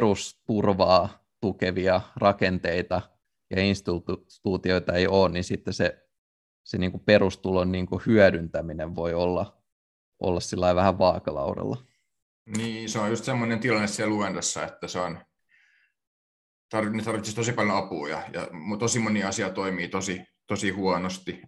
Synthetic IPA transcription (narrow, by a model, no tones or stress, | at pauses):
prust̪urʋɑː | t̪ukeʋiɑrɑkent̪eit̪ɑ | jɑ̰instut̪ | t̪uːt̪ioit̪ɑeioːnninsit̪ːese | seniːŋkuperust̪ulonniːŋkuhyæɾynt̪æmineʋʋoiolːɑ | ʔo̰lːɑssilːɑiʋʋæhæʋʋɑːkɑlɑ̰uɾɑ̰lːɑ | niːseojust̪semːonent̪ilɑnːessiæluendɑsːɑ̰et̪ːæseon | t̪ɑrʋinet̪ɑrʋit̪sist̪osipɑljoɑpuːjɑ̰jɑ̰mut̪osimoniɑsiɑt̪oimiːt̪osit̪osihuɑnost̪i